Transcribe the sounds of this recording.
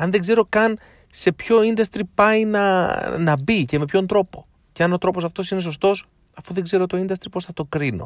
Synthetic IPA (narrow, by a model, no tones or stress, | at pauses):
ɐnðeɡze̞ɾo̞kɐn | se̞pço̞ind̪ɐst̪ɾipɐinɐnɐbice̞me̞pçont̪ɾo̞po̞ | ceɐno̞t̪ɾo̞po̞sɐft̪o̞sine̞s̬o̞st̪o̞s | ɐfuðe̞ɡze̞ɾo̞t̪o̞ind̪ɐst̪ɾipo̞sθɐt̪o̞kɾino̞̰